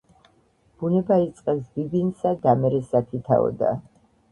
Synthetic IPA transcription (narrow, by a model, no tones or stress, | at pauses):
b̥unɛbait̪sʼqʼɛsbibinsad̪amɛɾɛsak̪ʰit̪ʰa̰ɔ̰d̪a̰